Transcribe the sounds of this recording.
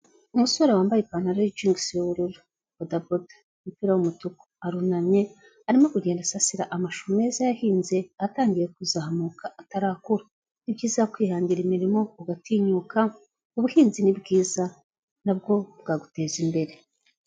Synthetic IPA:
umusoɾewaːmbajepanhaɾad͡ʒiŋɡsjoβuɾuɾu | bodabod | mupiːɾawumutuko̥aɾunaɲe̞ | aɾimo̞kuɟeːndasasiɾaʔamaʃuume̞ːzajahiːnze̞ataːŋɡije̞kuzaɦamuːkaʔataɾaːkuɾa | nibɟiːzakwiːhaːɲɟiɾimiɾimo̞uɡatiːɲuːka | uβuhiːnzinibɡiːza | nab̚ɡo̞bɡaːɡute̞ːzimbe̞ɾe̞

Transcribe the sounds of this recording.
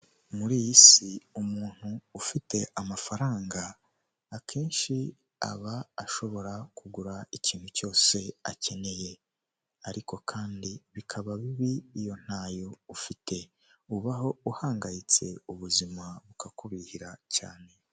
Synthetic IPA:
muɾijisiumuːn̥huːfite̞ʔamafaɾaːŋɡaː | kʰe̞ːnʃi | a̰βaːʃo̞βo̞ɾakuɡuɾaiciːn̥huco̞ːse̞a̰ce̞ne̞je̞ | aɾiko̞kʰaːndiβikʰaβaβiβiːjo̞n̥haːjo̞ufite̞ | uβaɦo̞uhaːŋɡajit͡se̞̰uβuzimaβukakuβihiɾaca̰ːne̞

